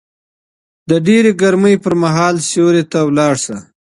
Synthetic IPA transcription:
d̪əɖeɾeɡaɾməjpəɾmaɦɑːlsoɾet̪awlɑɽsa

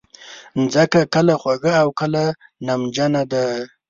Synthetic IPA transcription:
nd͡zəkakəlaxwaɡaːwkəlanamd͡ʒanad̪a

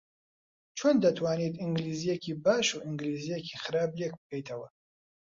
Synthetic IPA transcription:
t͡ʃʰoːnd̪ɐt̪ʰwaːnit̪iŋɡliːzijekiːbaːʃuʔiŋɡlizijekixɨɾaːblek̚bɨkʰɛjt̪ʰɐwɐ

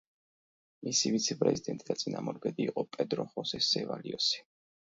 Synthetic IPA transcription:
misivit̪sʰɛpʼɾɛzid̪ɛnt̪ʼid̪̥at̪sʼinamɔɾɡɛd̪iːqʼɔpʼɛd̪ɾɔχɔsɛsɛvaliɔsi̥

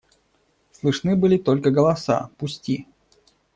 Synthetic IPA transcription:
slˠɨʂnɨbɨlʲɪt̪olʲkəɡəlˠɐsa̰pʊsʲtʲi

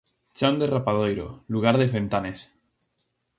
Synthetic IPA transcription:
t͡ʃand̪erapaðojɾo̰luɣ̞aɾðefent̪anes

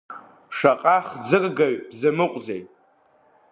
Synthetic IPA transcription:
ʂaqʼaχd͡zɨrʼɡaɥbzɨmɨqʷʼzejtʼ

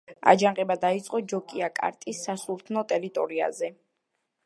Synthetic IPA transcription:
a̰d͡ʒaɴqʼɛbad̪ait̪sʼqʼɔd͡ʒɔkʼiakʼa̰ɾt̪ʼisːasuɾt̪ʰnɔt̪ʼɛɾit̪ʼɔɾia̰zɛ

